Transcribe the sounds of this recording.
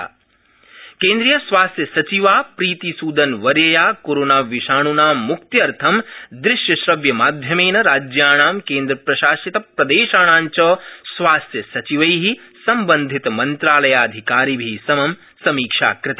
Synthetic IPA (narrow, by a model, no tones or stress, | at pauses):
kẽːnd̪ɾijɐsʋaːst̪jɐsɐt͡ʃiʋaːpɾiːt̪isuːd̪ɐnʋɐɾjɐjaːkoːɾoːnaːʋiʃaːɳunaːmːukt̪jɐɾt̪ʰɐmd̪ɾɪʃjɐʃɾɐʋjɐmaːd̪ʱjɐmeːnɐɾaːd͡ʒjaːɳ̃aːmkeːnd̪ɾɐpɾɐʃaːsit̪ɐpɾɐd̪eːʃaːɳaːɲt͡ʃɐsʋaːst̪jɐsɐt͡ʃiʋɐjɦi | sɐmbɐnd̪ʱit̪mɐnt̪ɾaːlɐjaːɐd̪ʱikaːɾiːbʱisɐmɐm | sɐmiːkʂa̰ːkɾɪt̪a